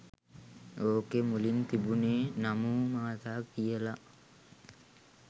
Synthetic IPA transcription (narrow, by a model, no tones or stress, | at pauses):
oːkemulint̪ibunenamuːmaat̪aːk̚d̪ijəla